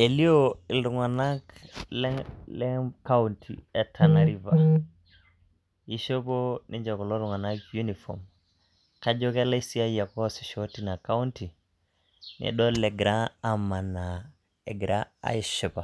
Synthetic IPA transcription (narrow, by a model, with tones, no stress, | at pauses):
e˨li˦o˦i˨lɾu˨ŋa˨na˦kllɛ˦ka˦untʰḭɛ˨tʰa˨na˨ɾi˨va˨ | i˦ʃo˦po˦nʔi˦ɲd͡ʒa˨kɔ˨lo˦ɾu˨ŋa˨na˦kju˦ni˨fɔ̰˨m | ka˦d͡ʒo˦ke˦la˦si˦a˦i˦ja˨kɔ˦si˨ʃo˦ti˨na˨ka˦u˦nti˨ | nḭ˨dɔ˦lɛ˨ɡɾa˦a˨ma˨na˨ | ɛ˨ɡɾa˦a̰˨˦i˦ʃɪ˨pa˨